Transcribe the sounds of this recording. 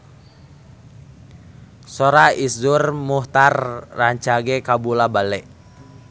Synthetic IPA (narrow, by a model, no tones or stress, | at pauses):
sɔɾaisdurmuht̪arːaɲt͡ʃaɡɛkabulabalɛʔ